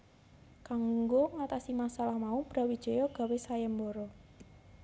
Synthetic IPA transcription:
kaŋŋɡoŋat̪asimasalahmaub̥ɾa̤wid̥ʒ̥ɔ̤jɔɡ̥a̤wesajɛmbɔɾɔ

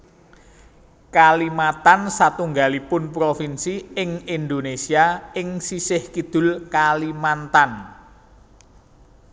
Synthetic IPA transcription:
kalimat̪ansat̪uŋɡalipʊnpɾofinsiɪŋind̪onesiaɪŋsisɪhkid̪̥ʊ̤lkalimant̪an

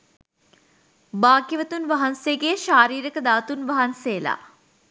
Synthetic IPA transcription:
baːɡiʋət̪unʋɐɦansejəɡejəʃaːɾiːɾəkəd̪aːt̪unʋɐɦansejəla̰

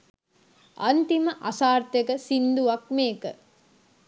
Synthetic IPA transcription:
ʔɐnt̪iməʔɐsaːɾt̪ekəsind̪uʋɐk̚meːkə

